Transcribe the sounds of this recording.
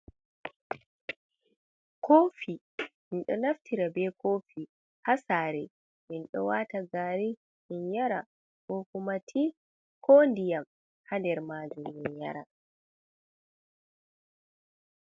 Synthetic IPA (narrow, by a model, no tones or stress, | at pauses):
koːfi | minɗɔnaftiɾabɛkʰofi | hasaːɾɛ | minɗɔwataɡaɾi | minjaɾa̰ | hokumatʰi | kʰondijam | handɛɾmaːd͡ʒuminja̰ɾa